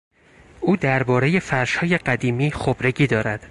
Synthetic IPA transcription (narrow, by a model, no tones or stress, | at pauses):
ʔuːd̪æɾbɒːɾe̞je̞fæɾʃhɒːje̞ɢæd̪iːmiːxobɾeɟiːd̪ɒːɾæd̪̥